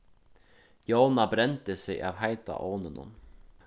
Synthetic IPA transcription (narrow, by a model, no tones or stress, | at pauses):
jɑːnabɾɛnt̪əsɛjʔa̰ːvɦajt̪a̰ʔoːnənə̰n